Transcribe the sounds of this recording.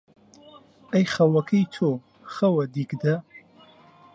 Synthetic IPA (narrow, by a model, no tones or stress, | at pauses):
ɐjχɐwɐkʰɐjt̪ʰo | χɐwɐd̪ikd̪ɐ